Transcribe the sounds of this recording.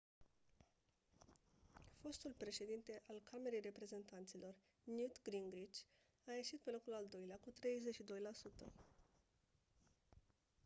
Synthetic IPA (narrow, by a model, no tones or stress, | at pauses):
fo̞st̪ulpɾe̞ʃe̞d̪int̪e̞ʔalkʰame̞ɾejre̞pɾe̞ze̞nt̪ant̪silo̞r | njut̪ɡɾiŋɡɾit͡ʃ | aje̞ʃit̪̚pe̞lo̞kulald̪o̞jleakut̪ɾe̞jzet͡ʃʃid̪o̞jlasut̪ə̰